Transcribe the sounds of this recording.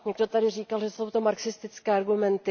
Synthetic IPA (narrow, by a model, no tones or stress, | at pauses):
ɲɛɡdo̞t̪adɪriːkalʒɛsowt̪omaɾksɪst̪ɪt͡skɛːaɾɡumɛnt̪ɪ